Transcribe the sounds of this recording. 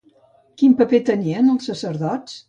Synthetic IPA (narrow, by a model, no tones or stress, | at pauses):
kimpəpet̪əniənəlˠsːəsəɾðɔt͡s